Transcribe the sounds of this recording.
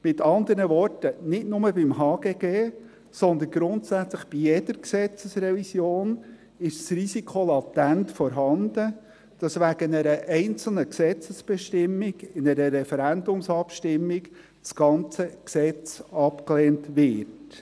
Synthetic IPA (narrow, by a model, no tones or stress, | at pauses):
mɪtɑnd̪əɾnəʋɔrtənɪtnʊməbɪmɦɑːɡ̥eːɡ̥eː | sɔnd̪ənɡɾʊntsæt͡sləχb̥ijɛd̥əɾksɛt͡səsrɛvisjoːn | ɪʃsrisikʰχolɑtæntfɔɾɦɑnd̥̪ə | d̥ɑsʋæɡ̥ənɛɾəʔɛɪnt͡sl̩nəksɛt͡səsb̥ɛʃtɪmːiɡɪnɛɾəɾɛfɛɾænd̪ʊmsɑpʃtɪmːiɡ | sɡ̥ɑnt͡səksɛt͡sɑpkleːntʋɪt